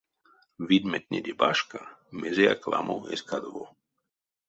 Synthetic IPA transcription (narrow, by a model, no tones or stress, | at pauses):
vid̪mɛt̪̚nʲed̪ʲebaʃkamezejakla̰mʔowʔeskad̪vo